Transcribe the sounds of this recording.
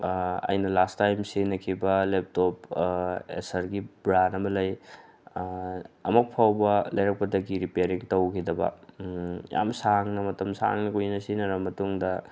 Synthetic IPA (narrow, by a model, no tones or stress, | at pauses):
ɐ̰jnɐlastajmsinɐkʰibɐlep̚top | ḛsɐɾɡibɾanɐmɐlɐj | ɐ̰mɐk̚pʰawbɐlɐjɾɐk̚pɐdɐɡiɾipeɾiŋtɐwkʰidɐbɐ̰ | ja̰msaŋnɐmɐtɐmsa̰ŋnɐkujnɐsinɐɾɐmɐtuŋdɐ